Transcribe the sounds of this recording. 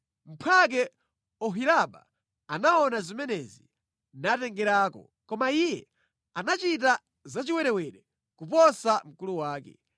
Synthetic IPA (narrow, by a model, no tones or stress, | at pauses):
m̩pʰak̬ɛ | ɔɦilaɓa̰ | anaɔnazimɛnɛzi | natɛŋɡɛɾaːkɔ̰ | kɔmaijɛ | anat͡ʃit̬a | zat͡ʃiwɛɾɛwɛɗɛ | kupɔsam̩kuluwaːkɛ̰